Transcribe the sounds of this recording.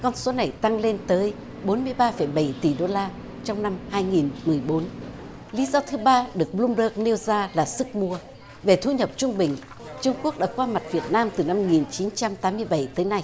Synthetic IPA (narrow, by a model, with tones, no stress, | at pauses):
kɔ˧nso˨˦na˨˩jt̪a˧ŋle˧nt̪əː˨˦j | ɓo˨˦nmɨ˧əjɓaː˧fə˧˩jɓə˧˩jt̪i˨˩ɗo˧laː˧ | t͡ɕɔ˧wŋ͡mna˧mhaː˧jŋi˨˩nmɨ˨˩əjɓo˨˦n | li˨˦zɔ˧t̪ʰɨ˨˦ɓaː˧ɗɨ˨˩ək̚ɓlu˧mɗəː˦˥k̚ne˧wzaː˧laː˨˩sɨ˦˥k̚mu˧ə | ve˨˩t̪ʰu˧ɲə˨˩p̚t͡ɕʊ˧ŋ͡mɓï˨˩ŋ̟ | t͡ɕʊ˧ŋ͡mku˦˥ək̚ɗaː˦˥kwaː˧ma˨˩t̚vi˨˩ət̚naː˧mt̪ɨ˨˩na˧mŋi˨˩nt͡ɕi˨˦nt͡ɕa˧mt̪aː˨˦mɨ˧əjɓə˧˩jt̪əː˨˦jna˧j